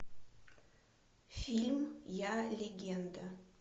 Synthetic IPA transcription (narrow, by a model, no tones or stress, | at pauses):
fʲilʲmjalʲeɡʲend̪ə